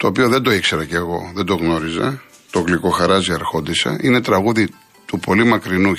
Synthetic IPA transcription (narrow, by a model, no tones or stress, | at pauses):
t̪o̞ːpio̞ðe̞nd̪o̞ikse̞ɾɐceɣo̞̰ðend̪o̞ɣno̞ɾizɐ̰ | t̪oɣliko̞xɐɾɐziɐɾxo̞d̪isɐ̰ʔine̞t̪ɾɐɣuði | t̪upo̞limɐkɾinu